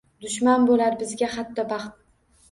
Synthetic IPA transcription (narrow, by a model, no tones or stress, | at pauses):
d̪ʊʃmanbolaɾbɪzɡʲaχɑt̪ʰːɒbɑχt̪̚